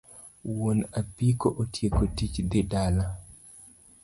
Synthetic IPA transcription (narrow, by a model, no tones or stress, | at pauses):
wonapikoʔotjekotit͡ʃd̪ɪdala